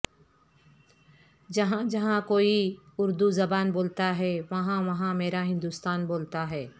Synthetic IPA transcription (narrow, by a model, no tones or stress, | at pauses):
d͡ʒɐɦãd͡ʒɐɦãkoːiʊɾd̪uzɐbaːnboːlt̪aɦɛʋɐɦãʋɐɦãmeːɾaɦɪ̃nd̪uːst̪aːnboːlt̪aɦɛː